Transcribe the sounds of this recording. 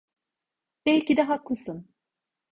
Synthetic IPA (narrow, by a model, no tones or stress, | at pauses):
b̥ɛlʲcid̪ɛɦaklˠɯsɯn